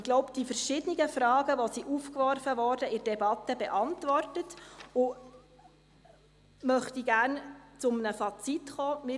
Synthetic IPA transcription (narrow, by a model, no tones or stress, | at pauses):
ɪɡ̥lɔʊpd̥ifəɾʃɪdəniɡəfɾɑːɡəʋosiʔufkʋɔrfəʋɔɾd̥əɪɾd̥ɛbɑtːəbɛʔɑntvɔrtətʊ | mœχtiɡæːɾnt͡sʊmnəfɑt͡sitχɔːmɪ